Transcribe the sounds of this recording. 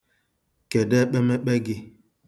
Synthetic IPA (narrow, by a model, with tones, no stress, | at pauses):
ke˨dɛ˦k͡pɛ˦me˦k͡pe˦ɡɪ˦